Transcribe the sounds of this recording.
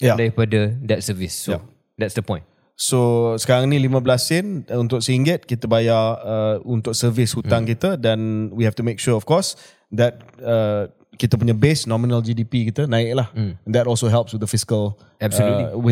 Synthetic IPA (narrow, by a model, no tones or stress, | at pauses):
jadaipadədɛt̚səvisja | d̪ɛtsdəpɔ̃j̃n | sosə̥kaɾaŋnĩlimə̃blasənunt̪ʊk̚siŋɡət̪̚kit̪əbajaəunt̪ʊk̚səvɪshut̪aŋkit̪ədanwiɦɛft̪umek̚ʃuɔfkɔs | d̪ɛt̪̚ə | kit̪əp̬uɲəbesnɔ̃mĩnəld͡ʒidipikit̪ənãɪʔk̚lahnd̪ɛtɔlsoɦɛlp̚swɪd̪əfiskəl | ɛbsəluliwi